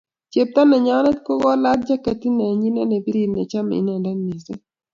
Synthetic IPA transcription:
t͡ʃe˨p̚t̪a˦nɛ˨ɲa˨˦nɛ˦tko˦ɡɔ˦la˦t̚d͡ʒa˦ka˨ti˦nɛ˨ɲi˦nɛ˦nɛ˨bi˦ɾi˨nɛ˨t͡ʃa˦m̰˨ḭ˦nɛ˨nda˦nmi˨ze˦

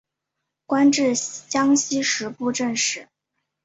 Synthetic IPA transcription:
kwa˥nʈ͡ʂɻ̩˥˩t͡ɕjɑ˥ŋɕi˥ʂɻ̩˧˥pu˥˧ʈ͡ʂə˥˧nʂɻ̩˥˩

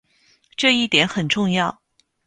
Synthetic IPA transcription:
ʈ͡ʂɤ˥˧i˥˩t̪jɛ˧˥nxə˨˩nʈ͡ʂʊ˥˧ŋjɑ˥˩ʊ

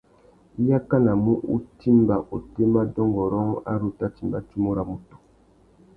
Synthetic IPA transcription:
i˦ja˦ka˦na˨mu˦ʔṵ˦ti˦mba˨ʔo˨te˦ma˦dɔ˦ŋɡɔ˨ɾɔ˦ŋ˦a̰˦ɾo˨ta˦ti˨mba˦ti˦mo˦ɾa˨mo˨tu̥˨

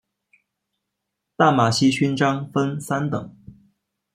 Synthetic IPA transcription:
t̪a˥˩ma˨˩ɕi˥ɕy˥nʈ͡ʂɑ˥ŋfə˥nsa˥nt̪ɤ˨˩˦ŋ

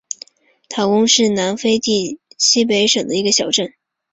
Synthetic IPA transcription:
t̪ʰa˥˩wʊ˥ŋʂɻ̩˥˩na˧˥nfe˥ɪt̪i˥˩ɕi˥p̬e˧˥ɪʂɤ˨˩ŋd̪ə˦i˧˥ɡə˧ɕjɑ˨˩ʊʈ͡ʂə˥˩n

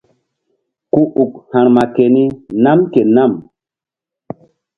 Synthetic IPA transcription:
ku˦ʔu˨k̚hã˨ɾma˨ke˨ni˦na˦mke˨na˦˨m

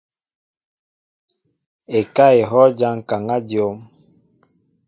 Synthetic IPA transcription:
e˨ka˦e˨ɦɔ˦d͡ʒa˦ŋ˨ka˨ŋa˦djo˦m

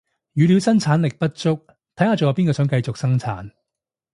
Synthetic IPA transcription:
jyː˨˧li˨˧wsɐ˥ŋt͡sʰaː˨˥nlɪ˨k̚pɐ˥t̚t͡ʃʊ˥k̚ | t̪ʰɐ˨˥jhaː˨˧t͡sɔ˨˩jɐ˨˧piː˥nkɔː˧sœː˨˥ŋkɐ˧jt͡sʊ˨k̚sɐ˥ŋt͡sʰa̰ː˨˥n

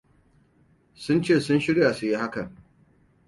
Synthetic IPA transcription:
sʊ˦nt͡ʃeː˦˨sʊ˦nʃɪ˦ɽja˨su˨ji˦ha˦kɐ˨ŋ

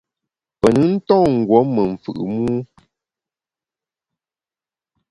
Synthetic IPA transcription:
pə˨nə˦n̩˦tɔ̃˦˨ŋ̩˨ɡwɔ˨˦mə˨ɱ̩˨fɯ̰˨ʔɨ̰˨muː˦

